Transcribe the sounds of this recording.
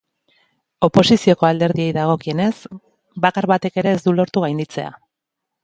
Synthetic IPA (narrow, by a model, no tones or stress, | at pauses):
o̞po̞sisio̞ko̞ald̪e̞ɾðie̞jðaɣ̞o̞kie̞ne̞s | bakaɾβat̪e̞ke̞ɾe̞ːzd̪ulo̞ɾt̪uɣ̞ajnd̪it͡se̞̰a̰